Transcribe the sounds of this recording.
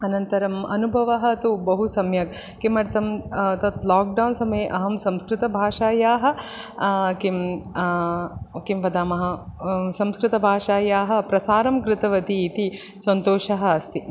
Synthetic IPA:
ɐnɐnt̪ɐɾɐmɐ̰nubʱɐʋɐɦɐɐt̪ubɐɦusɐmjɐk | kimɐɾt̪ɐmt̪ɐt̪laːk̚ɖɐwnsɐmɐeeʔɐɦɐmsɐmskɾɪt̪ɐbʱaːʂaːjaːɦɐ̆ | kim | kimʋɐd̪aːmɐɦɐsɐmskɾɪt̪ɐbʱaːʂaːjaːɦɐ̆pɾɐsaːɾɐmkɾɪt̪ɐʋɐt̪iːt̪i | sɐnt̪oːʂɐɦɐ̆ːst̪i

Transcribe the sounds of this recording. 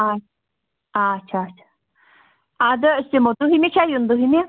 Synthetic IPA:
a | at͡ʃʰat͡ʃʰḁ | ad̪əsimod̪uɦimit͡ʃʰajund̪uɦimi

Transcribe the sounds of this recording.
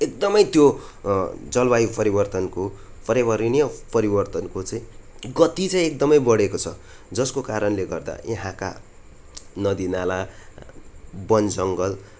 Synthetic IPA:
ek̚d̪ʌmʌjt̪jo | d͡zʌlbaipʌɾibʌrt̪ʌnko | pʌɾebʌɾinijʌpʌɾibʌrt̪ʌnkot͡sʌĩɡʌt̪it͡saĩek̚d̪ʌmʌjbʌɽekot͡sʰʌ | d͡zʌskokaɾʌnleɡʌrd̪a̰eɦãka̰ | nʌd̪inala | bʌnd͡zʌŋɡʌl

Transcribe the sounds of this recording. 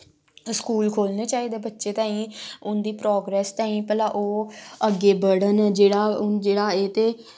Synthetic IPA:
skuːlkʰoːlneːt͡ʃaːiːd̪eːbətːʃeːt̪ãːĩːʊnd̪iːpɾɔːɡɾɛːst̪ãːĩːpɛːlaːʔoːəɡeːbəɽənd͡ʒeːɽaːʊd͡ʒeːɽaːeːt̪eː

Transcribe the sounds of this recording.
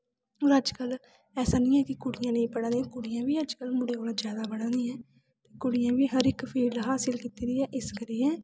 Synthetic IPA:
oːɾəd͡ʒkəl | ɛːsaːnĩːɛːkɪkʊɽɪjãːnəĩːpəɽãːd̪iːãːkʊɽɪjãːʋiːəd͡ʒkəlmʊɽeːoːlad͡ʒjaːd̪aːbəɽãːd̪iːɛ̃ː | t̪eːkʊɽɪjãːʋiːɦəɾɪkpʰiːlɦaːsɪlkiːt̪iːd̪iːɛːʔɪskəɾiːɛː

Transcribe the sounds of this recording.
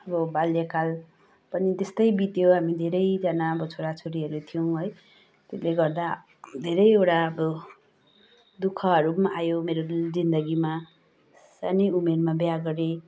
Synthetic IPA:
ʌbʌbaljakal | pʌnit̪est̪ʌjbit̪joɦamid̪ʱeɾʌjd͡zʌnaʌbʌt͡sʰoɽat͡sʰoɾiɦʌɾut̪ʰijõɦʌj | t̪esleɡʌrd̪a | d̪ʱeɾʌjewʈaʌbʌ | d̪ukʰʌɦʌɾumaʔajomeɾod͡zind̪ʌɡima | sa̰niumermabjaɡʌɾe

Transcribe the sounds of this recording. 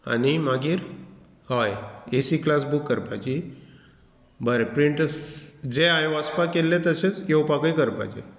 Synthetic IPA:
a̰nimaɡiːɾ | hɔjesiklasbukːəɾpajt͡ɕi | bəɾepɾiɳʈ | d͡zeajʋaspakelːet̪əset͡sjewpakəjkəɾpa̰t͡ɕḛ

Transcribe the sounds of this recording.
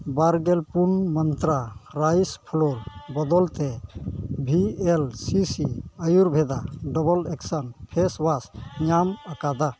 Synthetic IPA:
baɾɡɛlpunmɔnt̪ɾaɾajspʰɔlɔlbɔd̪ɔlt̪ɛ | bʱielsisiajuɾbʱɛd̪aɖɔbɔlɛksanpʰeswasɲamakad̪a

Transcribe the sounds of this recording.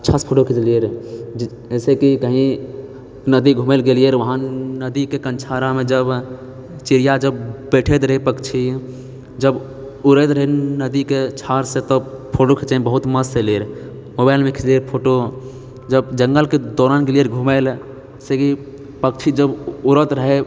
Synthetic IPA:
ətːʃʰaspʰoʈokʰit͡ʃlieɾ | əsekikəɦĩ | nəd̪iɡʱumelɡelieɾʋəɦãnəd̪ikekənt͡ʃʰaɾamẽd͡ʒəb | t͡ʃiɾijad͡ʒəbbeʈʰet̪ɾəɦepəkt͡ʃʰi | d͡ʒəb | uɾet̪ɾəɦɛnəd̪iket͡ʃʰaɾsẽt̪ɔ | pʰoʈokʰet͡ʃə̃bəɦut̪məselieɾ | mobaɪlmekʰt͡ʃlieɾpʰoʈo | d͡ʒəbd͡ʒəŋɡəlked̪ɔːɾankelieɾɡʱumel | seki | pək̚t͡ʃʰid͡ʒəbuɾət̪ɾəɦe

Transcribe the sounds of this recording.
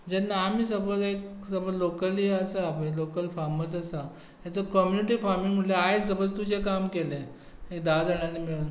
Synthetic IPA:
d͡ʑɛnːaːmiːsəbət͡sek | səbəd͡zlokəliəsəapẽlokəlfaɾməs̬əsa | jjat͡səkɔmjuniʈiːfaɾmiŋm̤uɽjeajs̬əbət͡st̪ud͡ʑʱekamkelẽ | ekd̪ad͡zaɽ̃anːimiɭuːn

